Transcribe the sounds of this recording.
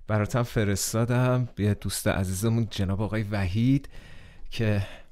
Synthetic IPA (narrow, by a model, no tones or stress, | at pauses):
b̥æɾɒːt̪ʰæmfe̞ɾe̞st̪ɒːd̪æmbed̪ust̪ḛʔæ̰ziːzemund͡ʒe̞nɒːbeɒːɣɒːjevæɦid̪̥ | cʰe̞